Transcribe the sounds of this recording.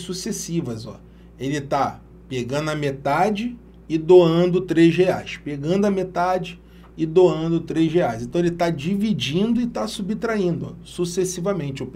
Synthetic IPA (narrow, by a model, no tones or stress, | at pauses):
susesivɐzɔ̰ | elɪt̪a | peɡɐ̃nd̪ʊɐmet̪ad͡ʒɪ | ɪd̪oɐ̃nd̪ʊt̪ɾezheajʃpeɡɐ̃nd̪ʊɐmet̪ad͡ʒɪ | ɪd̪oɐ̃nd̪ʊt̪ɾezʒeajsẽt̪ɐ̃elɪt̪ad͡ʒivid͡ʒĩnd̪ʊɪt̪asubit̪ɾaĩnd̪ʊ̰susesivɐmẽnt͡ʃɪʊp